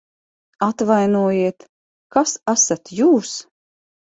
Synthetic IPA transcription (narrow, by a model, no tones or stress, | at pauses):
at̪vajnuɔjiɛt̪ | kasasat̪juːs